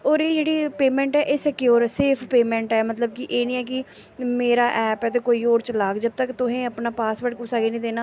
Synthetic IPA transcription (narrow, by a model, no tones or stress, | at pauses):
ɔːɾeːd͡ʒeːɽiːpeːmɛ̃ːɳʈɛːʔeːsəkjoːɾseːpʰpeːmɛ̃ːɳʈɛːmət̪ləb̚kɪʔeːnĩːɛːk̬ɪ | meːɾaːʔɛːpɛːt̪eːkoːiːoːɾt͡ʃəlaːɡd͡ʒəb̚t̪əkt̪ʊɦẽːəpnaːpaːsʋəɾʈkʊsaːɡeːnĩːd̪eːnaː